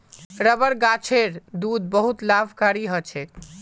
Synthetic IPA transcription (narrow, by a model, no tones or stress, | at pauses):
ɾəbəɾɡat͡ʃʰeɾd̪ud̪bəɦut̪labʱkaɾiɦət͡ʃʰet̪